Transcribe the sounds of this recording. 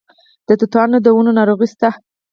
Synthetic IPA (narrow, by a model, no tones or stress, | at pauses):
d̪̥ət̪ut̪ɑɾnod̪əwunonɑɾoɣist̪ah